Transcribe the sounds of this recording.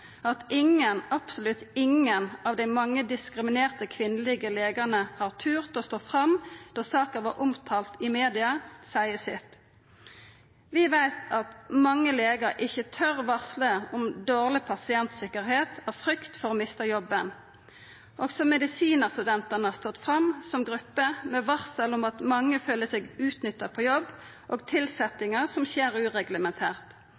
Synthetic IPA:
ɑt̪ɪŋənɑpsɔlʉt̪ɪŋənɑʋd̪æɪmɑŋːəd̪ɪskʁɪmɪneːʁt̪əkʰʋɪnəlɪɡəleːɡəʁnəhɑːʁt̪ʰʉːʁt̪ost̪oːfʁɑmd̪̥ɔsɑːkəʋɑːʁʔʊmt̪ʰɑːlt̪ɪmeːd̪ɪɑsæɪəsɪt̪ | ʋɪʋæɪt̪ʰɑt̪mɑŋːəleːɡəɾʔɪçət̪ʰœʁʋɑʁsləɔmd̪oːʁlɪpʰɑsɪɛnt̪sɪkəʁheːt̪æʁfʁʏkt̪fɔʁoːmɪst̪əjɔbːən | ʔoɡsɔmɛd̪ɪsiːnəʁst̪ʉd̪ɛnt̪ənəhɑʁst̪ɔt̪ːfʁɑmsɔmɡʁʉpːəmɛʋɑʁsəlʊmɑt̪mɑŋːəføːləsɛɡʉːt̪nʏt̪ːəpʰɔjɔbː | ʔoːɡt̪ʰɪlsɛt̪ɪŋəʁsɔmçeːʁʉːʁɛɡləmɛnt̪ʰæːʁt̪

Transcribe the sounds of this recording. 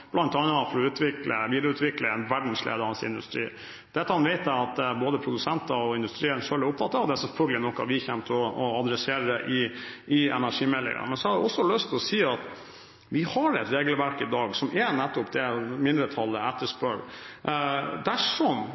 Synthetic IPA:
b̥lɑnt̪ɑnɑfɔɾɔʉːt̪ʋɪklə̰ʋiːd̪ɾʉːt̪ʋɪkləɛnʋæɖɳ̩slḛːd̪əɑnsɪ̰nd̪ʉ̰st̪ɾḭː | d̪̥ɛt̪ːəhɑnʋɛɪt̪æɑt̪boːd̪əpʰɾʊd̪ʉsɛnt̪ɑɔɪnd̪ʉst̪ɾiːənʂølɪʊpːfɑt̪ːɑʋd̪ɛsɛfœɾɡəlɪnɔkːɑ̰ʋɪçɛmt̪ʰəɔɔɑd̪ɾɛseːɾədɛʔɪɪɛ̰næʂiːmɛlːɪ̰ŋə̰mɛnsɔhɑɖɛɔsːɔlœst̪ʰɔsiːɑt̪ | ʋɪhɑɾɛt̪ɾeːɡəlʋæɾkɪd̪ɑːɡsɔmɛnɛt̪ːɔp̚d̪ɛmɪnd̪ɾət̪ʰɑlːəɛt̪ːəʂpœɭ | d̪æʂɔm

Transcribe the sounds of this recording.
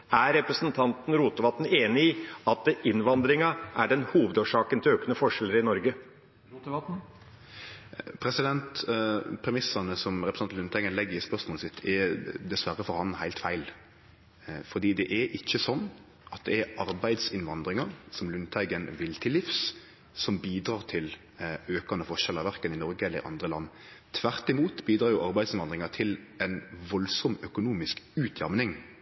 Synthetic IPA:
æɾɛpɾəsnt̪ʰɑnt̪n̩ɾuːt̪əʋɑt̪n̩eːnɪiɑt̪̚d̪ɛʔɪnʋɑnd̪ɾɪŋɑʔæɖɛnhuːʋəd̪oːʂɑːkənt̪ʰɪløːkənəfɔʂɛləɾɪnɔɾɡə | pʰɾɛsɪd̪ɛnt̪pʰɾɛmɪsɑnəsɔmɾɛpɾəsnɑt̪ʉnt̪ʰæɪɡənlɛɡːəɾɪspœsmɔːl̩sɪt̪ʰːɛd̪ɛsʋæɾəfɔɾhɑnhæɪt̪fæɪl | fɔd̪iːd̪ɛʔɛɾʔɪçːəsɔnː | ʔɑt̪̚d̪ɛɛɾɑɾbæɪd̪sɪnʋɑnd̪ɾɪŋɑɾsɔmlʉnt̪ʰæɪɡənʋɪlt̪ʰɪlɪfs | sɔmbiːd̪ɾɑːɾt̪ʰɪl | øːkɑnəfɔʂɛlɑɾʋæɾkənɪnɔɾɡəɛlːəɾɪ̰ʔɑ̰nd̪ɾəlɑ̰nː | t̪ʰʋæɾt̪ɪmuːt̪biːd̪ɾɑːɾjʊʔɑɾbæɪd̪sɪnʋɑnd̪ɾɪŋɑt̪ʰɪlɛnʋɔlsɔmœkʊnuːmɪskʉːt̪ʰjɑmnɪŋ

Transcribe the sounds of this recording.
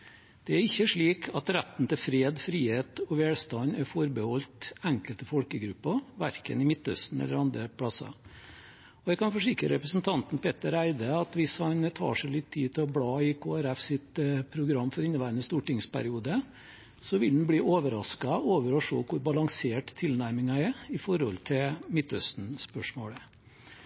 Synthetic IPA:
d̪̥ɛæɾɪçːəʂɭiːkʰɑt̪ɾæt̪n̩t̪ɪlfɾeːd̪fɾiːheːt̪ɔʋeːlst̪ɑnæɾfɔɾbəhɔlt̪æŋkəlt̪əfɔlkəɡɾʉpːɑʋæɾkə̰nɪmɪt̪ːœ̰st̪n̩ɛ̰lːə̰ɾɑnd̪ɾəpʰɽɑsːɑ̰ | ɔjæɪkɑnfɔʂɪkɾəɾɛpɾəsn̩t̪ʰɑnt̪n̩pɛt̪ːəɾæɪd̪əɑt̪ʋɪshɑnt̪ʰɑ̰ːʂæɪlɪt̪ʰːiːt̪ɪɔbɽɑːɪkʰoːæɾɛfsɪt̪əpʰɾʊɡɾɑmːfɔɾɪnːəʋæɪɾənəst̪uːʈɪŋspʰæ̰ɾɪuːd̪ə | sɔʋɪld̪n̩bliːʔoːʋəɾɑskɑoːʋəɾɔʂo̰ːkʰʊɾbɑlɑŋseːʈt̪ʰːɪlnæɾmɪŋɑɛɪfɔɾhɔlt̪ʰɪlmɪt̪ːœst̪n̩spœʂmoːlə

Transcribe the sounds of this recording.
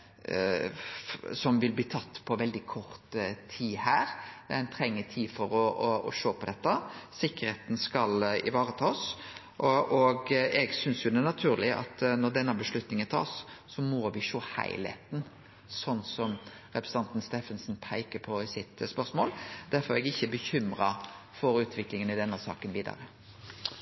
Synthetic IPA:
sɔmʋɪlbliːt̪ʰɑt̪ːpʰɔʋɛld̪ɪkʰɔɾt̪t̪ʰːiːhæːɾɛnt̪ʰɾɛŋːət̪ʰiːfɔɾɔɔɔ̰ʃoːpʰɔd̪ɛt̪ːəsɪkːəɾheːt̪n̩skɑlɪ̰ʋɑːɾət̪ʰɑːs | ʔʔɔɡɛɡsʏnsjʊd̪ɛnɑt̪ʰʉːɾlɪʔɑ̰t̪nɔʁd̪ɛnːəbəʂlʉt̪nɪŋənt̪ʰɑ̰ːsːɔmɔʋɪʃoːhæ̰ɪlhḛːt̪n̩ | sɔnːsɔm | ɾɛpɾəsə̥ɑnt̪n̩st̪eːfənsnpʰæɪkəpʰɔɪsɪt̪spœʁsmo̰ːld̪̥æɾfɔɾɛɡɪçːəbəçʏmɾɑ | fɔɾʉːt̪ʰʋɪklɪŋənɪd̪ɛnːəsɑ̰ːkənʋiːd̪ɑ̰ɾə

